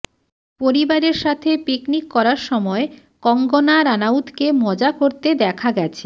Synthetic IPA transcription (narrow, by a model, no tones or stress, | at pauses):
poɾibaɾeɾʃat̪ʰepiknikːɔɾaɾʃɔmɔe | kɔŋɡonaɾanawt̪kemɔd͡ʑakoɾt̪ed̪ɛkʰaɡɛt͡ɕʰe̥